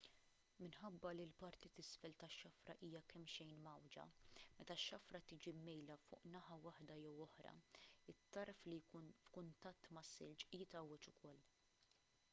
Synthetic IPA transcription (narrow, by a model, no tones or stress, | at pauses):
mɪnħɐbːɐlilpɐɾt̪it̪ɪsfɛlt̪ɐʃːɐfɾɐ̰ʔiːjɐkɛmːʃɛjnmɐwd͡ʒɐ̰mɛt̪ɐʃːɐfɾɐt̪iːd͡ʒimːɛjlɐfʊ̰ːʔnɐħɐwɐħd̪ɐjɛwɔħɾɐ̰ɪt̪ːɐɾflijkuːnfkʊnt̪ɐt̪ːmɐsːɪlt͡ʃʔiːt̪ɐwɛt͡ʃʊkʰɔlː